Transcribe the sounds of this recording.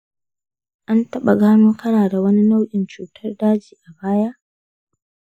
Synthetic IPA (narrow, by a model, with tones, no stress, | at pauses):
ʔa˦ntɐ˦ɓa˨ɡaː˦mʊ˦ŋkʰɐ˦naː˨da˨wɐ˦ni˦na˦wʔʲʼɪ˨nt͡ʃuː˨tʰɐ˦rdaː˦d͡ʒiː˨ʔa˨baː˦ja˦ʔ